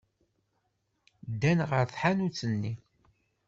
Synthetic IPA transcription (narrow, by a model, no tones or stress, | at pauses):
d̪ːænʁəɾθħanut͡sːənːi